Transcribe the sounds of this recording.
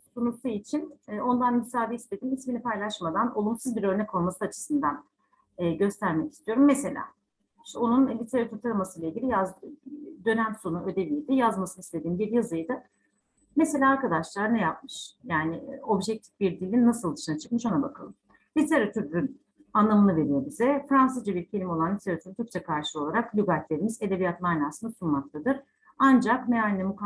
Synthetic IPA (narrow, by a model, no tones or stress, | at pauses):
sonuɾsʰuit͡ʃʰinːo̞nd̪anmisaːviist̪ʰʲe̞d̪iːmisminipʰajlˠaʃmad̪anʔo̞lˠumsɯzbiɾø̞ɾnɛko̞lˠmasɯat͡ʃʰɯ̥sɯnd̪anː | ɟø̞st̪ʰæɾmecist̪ʰijo̞ɾumːese̞lʲa̰ː | ʃto̞nunlʲit̪ʰe̞ɾat̪ʰyɾt̪ʰaɾamasɯjlˠaiɟʲilʲijazd̪ø̞næmso̞nuø̞d̪e̞vijd̪ɪjazmasɯnist̪ʰʲe̞d̪iːmbiɾjazɯjd̪ɯ | mese̞lʲaːɾkad̪aʃlˠaɾnɛjap̚mɯʃjaːnɪo̞bʒɛc̚t̪ʰi̥fbiɾd̪ilʲːinːasɯlˠd̪ɯʃɯnat͡ʃʰɯ̥kmɯʃo̞nabakʰalˠɯm | lʲit̪ʰe̞ɾat̪ʰyɾyn | anlˠamɯnɯve̞ɾijebizɛfɾans̬ɯzd͡ʒabiɾcʰe̞lʲimo̞lˠanlʲit̪ʰeɾat̪ʰyɾt̪ʰyɾk̚t͡ʃʰɛkʰaɾʃɯo̞lˠaɾaklʲyɡat̪lʲe̞ɾimize̞d̪e̞vijat̪majnaːsɯnasunmak̚t̪ʰad̪ɯɾ | and͡ʒakneanʲinːʲɛmuk